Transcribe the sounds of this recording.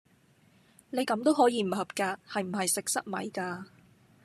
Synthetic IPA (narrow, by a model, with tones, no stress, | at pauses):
ne˨˧jkɐ˨˥mt̪o˥wɦɔː˨˥jiː˨˧m̩˨˩hɐ˨p̚kaː˧hɐ˨jm̩˨˩ɦɐ˨jsɪ˨k̚sɐ˥t̚mɐ̰˨˧jkaː˧